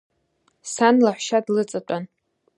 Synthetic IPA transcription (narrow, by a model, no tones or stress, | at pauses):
sanlaħʷʃadlɨt͡sʼatʷʼan